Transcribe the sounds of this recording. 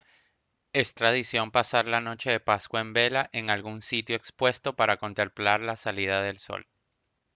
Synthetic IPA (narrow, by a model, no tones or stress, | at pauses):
e̞st̪ɾað̞isjo̞mpasaɾlano̞t͡ʃe̞ðe̞paskwaembe̞laʔe̞ŋalɣunsit̪jo̞ekspwe̞st̪o̞paɾako̞nt̪e̞mplaɾlasalið̞aðe̞lso̞̰l